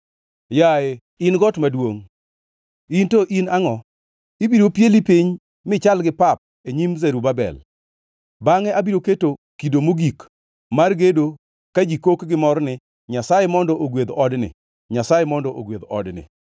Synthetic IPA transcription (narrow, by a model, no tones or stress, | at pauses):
jae | ɪnɡɔtmadwoŋ | intoʔinaŋɔ | ibiɾopjelipiɲ | mɪt͡ʃalɡɪpap̚ | eɲimzeɾubabɛ̰l | baŋɛabiɾoketokidomoɡik | marɡedo | kad͡ʒikokɡɪmɔɾnɪ | ɲasajemɔndɔʔoɡwed̪ɔdnɪ̰ | ɲasajemɔndɔʔoɡwed̪ɔ̰dnɪ̰